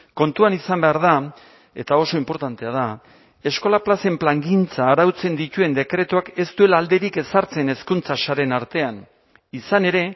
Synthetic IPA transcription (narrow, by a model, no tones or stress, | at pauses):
ko̞nt̪uanisambe̞aɾða | e̞t̪ao̞so̞impo̞ɾt̪ant̪e̞aða | e̞sko̞laplase̞mplaŋɡint͡saːɾawt͡se̞nd̪it̪ue̞nd̪e̞kɾe̞t̪uake̞st̪ue̞laːld̪e̞ɾike̞saɾt͡se̞ne̞skunt͡sasaɾe̞naɾt̪e̞an | isane̞ɾe̞